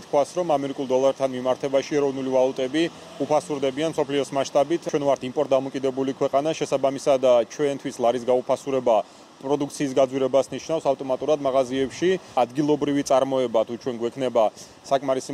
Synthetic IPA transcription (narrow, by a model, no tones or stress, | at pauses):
t̪̚ʰkʰwasɾɔmamɛɾikʼulˠd̪ɔlˠaɾt̪ʰanmimaɾt̪ʰɛbaʃiɛɾɔvnulivalˠut̪ʼɛbi | upʰasuɾd̪ɛbianmsɔpʰliɔsmaʃt̪ʼabit̪ʰwɛnvaɾt̪ʰimpʼɔɾt̪̚d̪amɔkʼid̪ɛbulikʰwɛqʼanaʃɛsabamisad̪at͡ʃʰwɛnt̪ʰwislˠaɾis̬ɡaupʰasuɾɛba | pʼɾɔd̪uk̚ʰt̪sʰiːsɡad̪zwiɾɛbasniʃnafsavt̪ʼɔmat̪ʼuɾad̪maʁaziɛpʃiad̪ɡilˠɔbɾivit̪sʼaɾmɔɛbat̪ʰut͡ʃʰwɛnɡwɛkʰnɛba | sakʼmaɾisi